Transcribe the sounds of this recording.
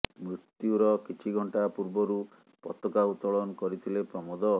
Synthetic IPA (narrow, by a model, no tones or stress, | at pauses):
mɾiut̪juɾɔkit͡ʃʰiɡʱɔɳʈapuɾbɔɾu | pɔt̪ɔkaut̪ɔɭɔnɔkɔɾit̪ʰilepɾɔmɔd̪ɔ